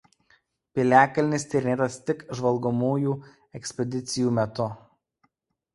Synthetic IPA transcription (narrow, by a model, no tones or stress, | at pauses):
pʲɪlʲæːkɐlʲnʲɪsʲt̪ʲɪɾʲɪnʲeːt̪ɐst̪ʲɪkʒʋɐlˠɡɔmuːjuː | ɛksʲpʲɛd̪ʲɪt̪sʲɪjuːmʲɛt̪ʊ